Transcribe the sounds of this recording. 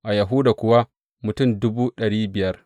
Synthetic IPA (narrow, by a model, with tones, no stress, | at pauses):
ʔa˨ja˨ɦʊ˦daː˨kʷʊ˦wa˦ | mʊ˨tʊ˦˨mdʊ˦buː˦ɗɐ˨ɽiː˦bɪ˨jɐ˦r